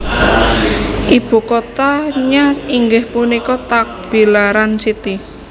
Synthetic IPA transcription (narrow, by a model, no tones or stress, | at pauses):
ʔib̥ṳkot̪aɲaiŋɡɪhpunikɔt̪ak̚b̥i̤laɾansit̪i